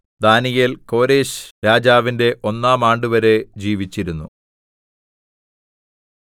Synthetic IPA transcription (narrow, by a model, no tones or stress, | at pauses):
d̪aːnijɐlko̞ːɾeːɕɾaːd͡ʑaːʋinde̞ʔo̞nːaːmaːɳɖɨʋɐɾe̞d͡ʑiːʋit͡ɕːiɾunːu